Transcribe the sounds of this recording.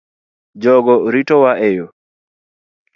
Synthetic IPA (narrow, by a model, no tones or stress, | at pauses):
d͡ʒɔɡɔɾitɔwaʔejo